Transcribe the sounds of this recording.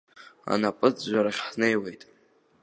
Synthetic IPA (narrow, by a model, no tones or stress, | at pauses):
a̰napʼɨt͡sʒʷaɾaχʲħnejwe̞jtʼ